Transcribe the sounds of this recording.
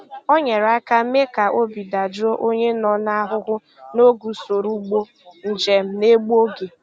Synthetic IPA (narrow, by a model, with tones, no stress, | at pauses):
o˦ɲe˨ɾa˦ka˦me˦ka˨ʔo˦bi˨da˨d͡ʒo˦ʔo˦ɲe˦nɔ˨na˦ɦʊ˦ɦʊ˦ | no˦ɡu˨so˨ɾu˦ɡ͡bo˦ | n̩˨d͡ʒe˨m̩˦ne˦ɡ͡bo˦ɡe˨